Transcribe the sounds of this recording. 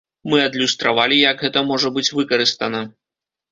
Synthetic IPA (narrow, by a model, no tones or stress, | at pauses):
mɨɐd̪lʲust̪ɾavalʲijɐɡɣɛt̪ɐmɔʐɐbɨt͡sʲvɨkɐɾɨst̪ɐnɐ